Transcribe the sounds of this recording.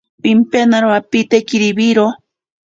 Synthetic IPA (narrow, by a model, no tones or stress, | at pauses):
pimpenaɾapit̪ekiɾibiɾo